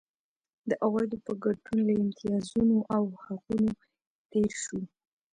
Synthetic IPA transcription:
d̪əʔaɣajd̪opəɡaɖunlaɪmt̪ijɑzunoʔawhaquno | t̪eɾʃu

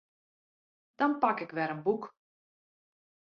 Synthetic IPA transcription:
d̥ɔnpɑkɪkʋɛɾənbuk

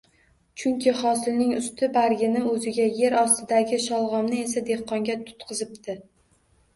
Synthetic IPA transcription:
t͡ʃʰʊŋkʲʰɪχɒsɪlnɪŋʊst̪ʰɪbaɾɡʲɪnɪmɵzɪɡʲaje̞ɾɒst̪ʰɪd̪aɡʲɪʃɒlˠʁɒmnɪe̞sad̪ehqːɒŋɡʲat̪ʰʊ̥t̪qʰɨzɪpt̪ʰɪ

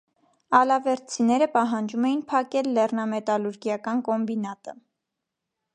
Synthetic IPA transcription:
ɑlɑvɛɾt͡sʰinɛɾəpɑɦɑnd͡ʒumɛjinpʰɑkɛlːɛrnɑmɛt̪ɑluɾɡjɑkɑnkɔmbinɑt̪ə

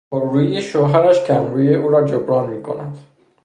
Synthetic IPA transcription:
oɾːuːiʃoːɦæɾæʃcʰæmɾuːjeʔuːɾɒːd͡ʒobɾɒːnmiːkʰo̰næd̪̥

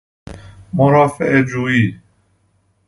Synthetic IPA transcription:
moɾɑːfeʔed͡ʒuːiː

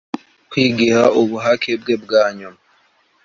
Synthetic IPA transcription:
kwiːɡihaoβuɦakʰeb̚ɡebɡaːɲuma

